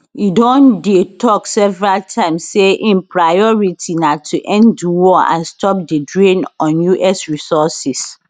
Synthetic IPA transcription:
idɔ̃ndietʰɔksɛvɹaltʰãɪ̃msseʔĩnpʰɹajɔɹitʰinatʰuʔɛ̃nduwɔã̰nstʰɔp̚dədɹĩnɔ̃njuʔɛsɹisɔsis

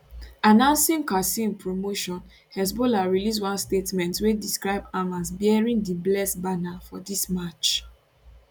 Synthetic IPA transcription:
anãʊ̃nsĩŋkasĩnpɹomoʃɔ̃n | hɛs̬bolaɹilis̬wãnstetmɛ̃ntwediskɹaɪbamazbɛɹĩndiblɛsbanafɔdismat͡ʃ

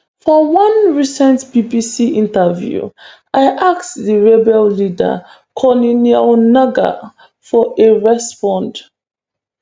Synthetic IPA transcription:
fɔwʌ̃nɹisɛ̃ntb̥ibisiʔĩntəvjṵ | aɪʔaktðiɹebɛllidə̰ | kʰɔninianaɡa̰ | fɔʔeɹɛspɔ̃nd

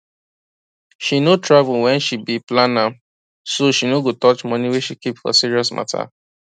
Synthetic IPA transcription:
ʃinotʰɹavulwɛ̃nʃibiplãna | soʃinoɡotɔt͡ʃmɔniweʃikipfɔ̰siɹiɔsma̰tʰa̰

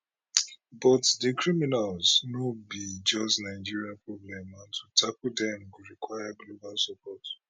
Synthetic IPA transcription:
bɔtdikɹiminalznobid͡ʒɔstnaɪd͡ʒiɹiapɹɔblɛ̃mãntʰutʰakudɛ̃mɡuɹikʰwajabloɡalsɔpʰɔt

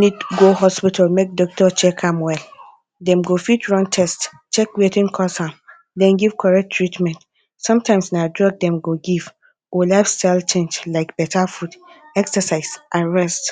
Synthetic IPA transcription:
nĩd̚ɡoɦɔspitʰalmek̚dɔk̚tʰɔt͡ʃʰɛkʰãmwɛl | dɛ̃mɡofitɹɔ̃ntʰɛst | t͡ʃɛkwetĩnkʰɔsãm | dɛ̃nɡiv̥kʰɔɹɛk̚tʰːɹitmɛ̃nt | sɔ̃mtʰãɪ̃msnadɹɔɡ̚dɛ̃mɡoɡiv̥ | olaɪfstaɪlt͡ʃʰẽnd͡ʒlaɪkb̥ɛtʰafudɛksəsaɪsʔaɹɛst

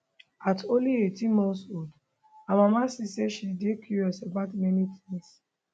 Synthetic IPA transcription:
atolietimɔ̃nsod | amãmãsiseʃidekʰjuɹiɔsabatmɛnitʰĩŋs

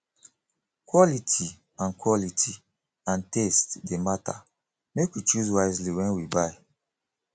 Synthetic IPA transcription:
kwɔlitʰi | ãnkwɔlitʰi | ãntestdemata̰ | mekwit͡ʃuzwaɪzliwɛ̃nwibaɪ

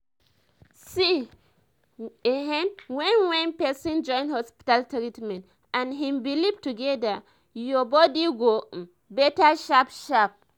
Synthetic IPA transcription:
si | eɦɛ̃nwɛ̃nwɛ̃npɛsɔ̃nd͡ʒɔ̃j̃nhɔspi̥taltɾitmɛ̃nt | ãnɦĩmbilivtuɡɛda | jɔbɔdiɡo | bɛtaʃapʃap̚

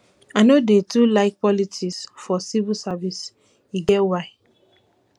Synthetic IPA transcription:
anodetulaɪk̚pɔlitʰisfɔsivisavis | iɡɛtwaɪ

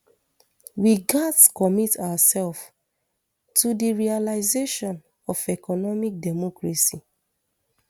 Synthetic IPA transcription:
wiɡatskɔmitawasɛlf | tudiɹialaɪzeʃɔ̃n | ɔfɛkɔnɔmik̚dɛmɔkɹasi

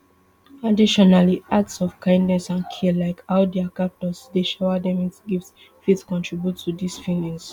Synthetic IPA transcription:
adiʃɔnaliʔatsɔv̥kʰãɪ̃ndnɛsãnkʰilaɪkaʊdɛakap̚tɔsdeʃaʊadɛ̃mitɡif | fitkɔ̃ntʰɹibjutʰːudisfilĩŋs

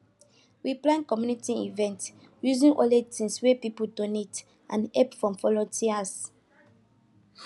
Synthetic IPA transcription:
wiplãnkɔmjunitiḭvɛ̃nt | juzĩnʔɔ̰letĩnswepipudonet | ʔãnɛpfɹɔ̃mfɔlotʰias

